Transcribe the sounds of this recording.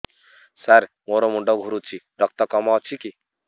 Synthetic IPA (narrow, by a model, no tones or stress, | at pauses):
saɾ | moɾomuɳɖɔɡʱuɾut͡ʃʰi | ɾʌk̚t̪ɔkɔmawt͡ʃʰiki